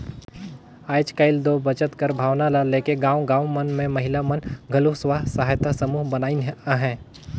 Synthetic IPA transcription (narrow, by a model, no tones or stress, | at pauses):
aːjd͡ʒkəɪld̪obət͡ʃət̪kəɾbʱaːʋnalaleːkeɡãːwɡãːwmənmẽmɐɦɪlamənɡʱɐluɦsʋaːɦsɐɦaːjt̪asəmuːɦbɐnaːinɦɛ̃ː